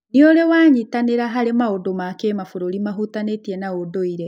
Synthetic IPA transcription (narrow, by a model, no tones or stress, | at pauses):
neoɾewaːɲitaneɾaɦaɾemaodomakemafoɾoɾimaɦutanetiɛnaodoiɾɛ